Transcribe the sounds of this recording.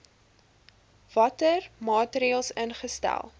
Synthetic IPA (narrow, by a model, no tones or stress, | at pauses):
v̥ɐtərmɑːtəɾiəlˠsənχəstæ̰lˠ